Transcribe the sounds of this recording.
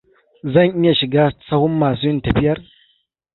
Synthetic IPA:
zɐ˦˨ŋʔɪ˦ja˨ʃɪ˨ɡaː˦sɐ˦hʊ˦mːaː˨s̬uː˦jɪ˦ntɐ˨ɸɪ˦jɐ˦r

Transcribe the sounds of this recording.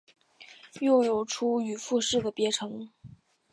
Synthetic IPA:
jo˥˩ʊjo˨˩ʊʈ͡ʂʰu˥y˨˩fu˥˧ʂɻ̩˥˩d̪ə˩pjɛ˧˥ʈ͡ʂʰɤ˧˥ŋ

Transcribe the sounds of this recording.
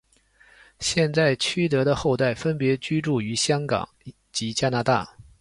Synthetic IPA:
ɕjɛ˥˧nt͡sa˥˩ɪt͡ɕʰy˥t̪ɤ˧˥ɾə˧xo˥˧ʊt̪a˥˩ɪfə˥npjɛ˧˥t͡ɕy˥ʈ͡ʂu˥˩y˧˥ɕjɑ˥ŋkɑ̰˨˩˦ŋ | t͡ɕi˧˥t͡ɕja˥na˧˥t̪a̰˥˩

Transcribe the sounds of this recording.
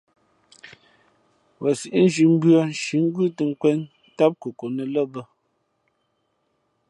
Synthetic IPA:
wə˨si˨ʔi˦n̩˦d͡ʒi˨m̩˦bɥə˦n̩˦ʃi˨˦ŋ̩˦ɡʉ˦tə˨ŋ̩˦kwɛ˦n | ta˦p̚kə˨ko˨nə˨lə˦bə˦

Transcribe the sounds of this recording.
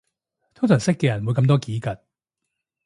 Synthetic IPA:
t̪ʰʊ˥ŋt̪ʰɵ˨˩ŋsɪ˥kːɛː˧jɐ˨˩nwu˨˧jkɐ˧mt̪̬ɔː˥kiː˨˥kɐ˨˩t̚

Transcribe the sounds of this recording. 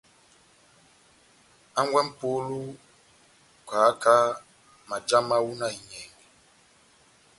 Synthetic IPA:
a˦ŋɡwɛ˦m̩˦po˦lu˦ | ka˨˦ka˦ | ma˨d͡ʒa˦ma˦wu˦na˦i˨ɲɛ˨ŋɛ˨

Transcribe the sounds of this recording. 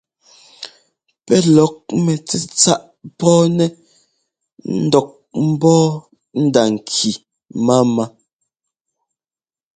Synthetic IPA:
pɛ˦lɔ˨˦k̚mɛ˨t͡sɛ˦˨t͡sa˦ʔ | pɔː˦nɛ˦ | n̩˦dɔ˦˨k̚ | m̩˦bɔː˦ | n̩˦da˨ŋ̩˨kʰi˨ | ma˦ma˦

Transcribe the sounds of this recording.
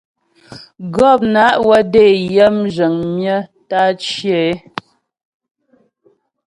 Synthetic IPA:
ɡɔ˦˨p̚na˨˦ʔwə˦de˦˨jə˦md͡ʒə˨ŋmjə˦ta˦t͡ʃjɛ˨˦

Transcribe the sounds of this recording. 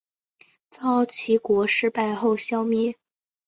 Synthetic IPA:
t͡sɑ˥˩ʊt͡ɕʰi˧˥kwɔ˧˥ʂɻ̩˥˧pa˥˧ɪxo˥˩ʊɕjɑ˥ʊmɛ˥

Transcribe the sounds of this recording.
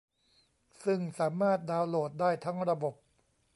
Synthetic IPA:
sɯ˥˩ŋsaː˩˦maː˥˩t̪̚daː˧wloː˨˩t̪̚daː˥˩jt̪ʰa˦˥ŋɾa˧bo˨˩p̚

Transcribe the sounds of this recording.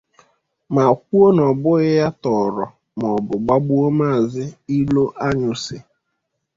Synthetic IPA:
ma˨k̚ʷu˦o˦nɔ˨bʊ˦ɣɪ˦ja˦tɔ˨ɾɔ˨ | m˨ɔ˨bʊ˨ɡ͡ba˦ɡ͡bu˦o˦ma˦˨zɪ˦i˦lo˦ʔa˦ɲʊ˨sɪ˨

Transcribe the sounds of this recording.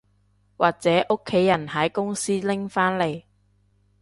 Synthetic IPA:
waː˨k̚t͡sɛː˨˥ʔʊ˥kʰːe˨˥jɐ˨˩nhɐ˨˥jkʊ˥ŋsiː˥lɪ˥ŋfaː˥nle˨˩j

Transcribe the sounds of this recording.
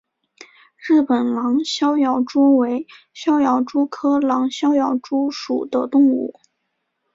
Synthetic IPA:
ɻɻ̩˥˩pə˨˩nlɑ˧˥ŋɕjɑ˥ʊjɑ˨˩ʊʈ͡ʂu˥we˧˥ɪ | ɕjɑ˥ʊjɑ˧˥ʊʈ͡ʂu˥kʰɤ˥lɑ˧˥ŋɕjɑ˥ʊjɑ˧˩ʊʈ͡ʂu˥ʂu˨˩d̪ə˦t̪ʊ˥˧ŋṵ˥˩

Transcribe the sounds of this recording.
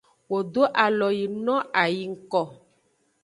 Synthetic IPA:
wo˨do˦ʔa˨lɔ˨ji˨nɔ̃˦a˨ji˨ŋ̩˦kɔ˨

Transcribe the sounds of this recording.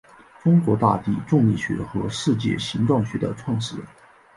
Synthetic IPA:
ʈ͡ʂʊ˥ŋkwɔ˧˥t̪a̰˥˧t̪i˥˩ʈ͡ʂʊ˥˧ŋi˥˩ɕɥɛ̰˧˥xɤ˧˥ʂɻ̩˥˧t͡ɕjɛ̰˥˩ɕi˧˥ŋʈ͡ʂwɑ˥˩ŋɕɥɛ˧˥d̪ə̰˧ʈ͡ʂʰwɑ˥˧ŋʂɻ̩˥˩

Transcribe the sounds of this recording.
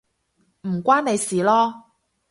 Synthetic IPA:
m̩˨˩kʷaː˥ne˨˧jsiː˨lɔː˥

